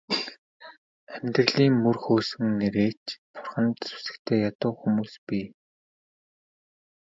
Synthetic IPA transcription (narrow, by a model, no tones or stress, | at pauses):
æmʲt̪rə̆ɮiːŋmɵrxoːsɵ̆ŋneɾeːt͡ɕpʊ̥rχə̆nt̪su̥sɘ̥̆kt̪ʰeːjat̪ʊːxumuːspiː